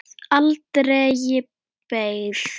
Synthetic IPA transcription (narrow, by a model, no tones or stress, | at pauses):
alt̪ɾejɪ | pejð̥